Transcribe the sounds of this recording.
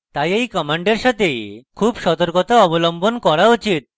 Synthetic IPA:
t̪ajejkɔmaɳɖeɾʃat̪ejkʰubʃɔt̪oɾkot̪aɔbolombonkɔɾaot͡ɕit̪̚

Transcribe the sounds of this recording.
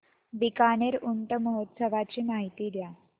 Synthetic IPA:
bikaneɾuɳʈəməɦot̪səʋat͡ɕiːmaɦit̪iːd̪ja

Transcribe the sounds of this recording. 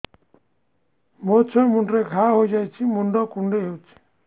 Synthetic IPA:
mot͡sʰɔmuɳɖɾeɡʰʱaɦojd͡ʒajt͡ʃʰimuɳɖɔkuɳɖeɦowt͡ʃʰi̥

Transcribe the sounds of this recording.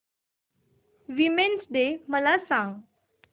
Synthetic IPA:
ʋimensd̪eməlasãŋɡ

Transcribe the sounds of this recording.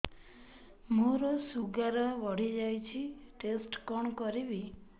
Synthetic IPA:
muɾosuɡaɾɔʋɔɽ̤id͡ʒajt͡ʃʰiʈesʈkɔɳkɔɾiʋi

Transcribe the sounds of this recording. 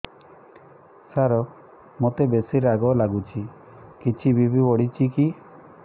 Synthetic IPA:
saɾɔ | mot̪ebesiɾaɡɔlaɡut͡ʃʰi | kit͡ʃʰibibʱibɔɽit͡ʃʰiki

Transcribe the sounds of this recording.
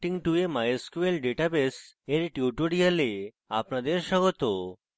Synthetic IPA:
ʈiŋʈuemajeskuelɖeʈabeseɾʈjuʈoɽijale | apnad̪eɾʃəɡɔt̪o

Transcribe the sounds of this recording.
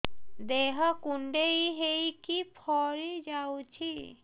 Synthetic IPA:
d̪eɦakuɳɖeiɦejkipʰɔɾid͡ʒawt͡ʃʰi

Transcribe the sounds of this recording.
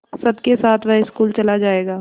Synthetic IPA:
sɐbkesaːt̪ʰʋɛɦɪskuːlt͡ʃɐlad͡ʒaːeːɡaː

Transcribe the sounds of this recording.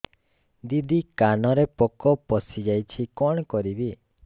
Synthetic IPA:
d̪id̪ʱikanɔɾepɔkɔpɔsid͡ʒajt͡ʃʰikɔɽ̃kɔɾibi

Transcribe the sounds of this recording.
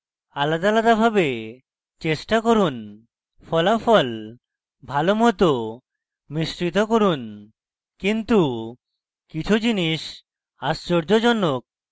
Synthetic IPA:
alad̪alad̪abʱabe | t͡ɕesʈakoɾun | fʰɔlafɔl | bʱalomɔt̪o | misɾit̪okoɾun | kint̪u | kit͡ɕʰud͡ʑiniʃ | ast͡ɕoɾd͡ʑod͡ʑɔnːok̚

